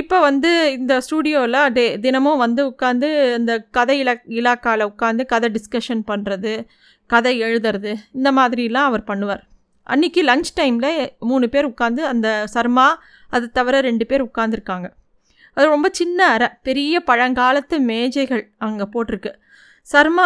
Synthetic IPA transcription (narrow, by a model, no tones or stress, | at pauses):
ɪpːoːʋɐnd̪ɯɪnd̪ɐsʈuːɽɪjoːɪlɐ̃ːded̪ɪnɐmõʋɐnd̪ɯʊkːaːnd̪ɯɪnd̪ɐkɐðɐɪlɐɪlaːkaːlɐʊkːaːnd̪ɯkɐðɐɖɪskɐʂɐnpɐɳɾɐðɯ | kɐðɐɛɻɯðɐɾɐðɯɪnd̪ɐmaːðɪɾɪjɪlːãːɐʋɐɾpɐɳːɯʋa̰ːɾ | ʔɐ̰nːɪkːɯlɐŋt͡ʃʈɐɪmlɐmuːnɳɯpeːɾʊkːaːnd̪ɯɐnd̪ɐsɐɾmaː | ɐðɯt̪ːɐʋɪɾɐɾɛɳɖɯpeːɾʊkːaːɾnd̪ɪɾɯkːaːŋɡɐ | ɐðɯɾɔmbɐt͡ʃɪnːɐɐɾɐpɛɾɪjɐpɐɻɐŋɡaːlɐt̪ːɯmeːd͡ʒɐɪɣɐɭɐʋɐŋɡɐpoːʈːɪɾɯkːɯ | sɐɾmaː